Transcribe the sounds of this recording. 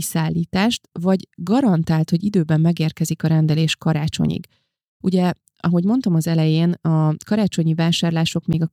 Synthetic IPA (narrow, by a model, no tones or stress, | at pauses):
isaːlːiːt̪aːʃt̪vɒɟɡɒɾɒnt̪aːlt̪ho̞ɟid̪øːbɛmːɛɡeːrkɛzikɒɾɛnd̪ɛleːʃkɒɾaːt͡ʃo̞̰ɲḭɡ̥ | uɟɛ | ɒɦo̞ɟmo̞nt̪omɒzɛlɛjeːnɒkɒɾaːt͡ʃo̞ɲivaːʃaːrlaːʃo̞kmeːɡɒ